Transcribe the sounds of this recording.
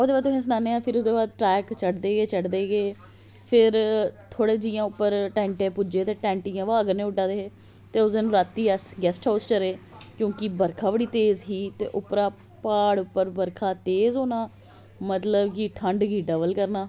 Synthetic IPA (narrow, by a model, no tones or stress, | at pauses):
osd̪eːbaːd̪ʊɦẽːs̬naːneːãːpʰɪɾʊsd̪eːbaːd̪̚ʈɾɛːkt͡ʃəɽd̪eːɡeːt͡ʃəɽd̪eːɡeː | pʰɪɾt̪ʰoːɽeːd͡ʒɪːjãːʊpːəɾʈɛ̃ːɳʈẽːpud͡ʒeːt̪eːʈɛ̃ːɳʈɪjãːʋaːəɡəɾnẽːʊʈãːd̪eːɦeː | t̪eːʊsd̪eːnũːɾaːt̪ːiːəsɡɛːsʈaːst͡ʃəɾeːkjõːkɪbəɾkʰaːʋəɽiːt̪eːzɦiːt̪ḛːʔʊpɾaː | paːɽʊpːəɾbəɾkʰaːt̪eːzɦoːnaː | mət̪ləbkiʈʰəɳɖɡiːɖəbəlkəɾnaː